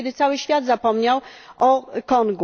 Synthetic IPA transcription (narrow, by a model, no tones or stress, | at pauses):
ɛd̪ɘt̪sawɘɕfʲjad̪zapɔmɲawɔkɔŋɡ